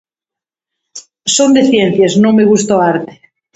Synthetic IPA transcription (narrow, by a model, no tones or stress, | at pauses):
sond̪eθjen̟θjeznõŋmeɣ̞ust̪oaɾt̪e̥